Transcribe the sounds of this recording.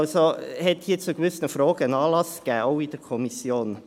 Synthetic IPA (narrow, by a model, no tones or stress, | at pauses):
lsohɛt̪hiːt͡sʊɡʋʏsnəfɾoːɡ̥əənɑːlɑsɡ̥ɛːoʊidɛɾkʰɔmisjoːn